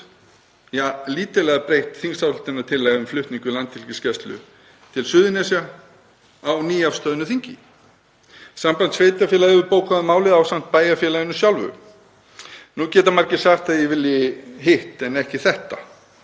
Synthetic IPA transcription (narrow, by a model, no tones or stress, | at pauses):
jaːliːt̪ʏlɛɣapɾejht̪θiŋsawhʏlt̪ɪnːat̪ʰɪlːaːɣʏmflʏht̪niŋkʏlant̪ɪl̥cɪscɛst̪lʏ̰ | t̪ʰɪlsʏːðʏnɛsja | awniːafst̪œːðʏnʏθiɲcɪ | sampant̪sveːjt̪afjɛlaðvʏɾpoːwkaðmaːwlɪðawsam̥t̪̚paːjafjɛlaɪnʏsjawlvʏ̰ | nucɛːt̪amaɾcɪ̥saxt̪aðjɛvɪlːjɪɦeht̪ɛnɛhcɪθɛht̪a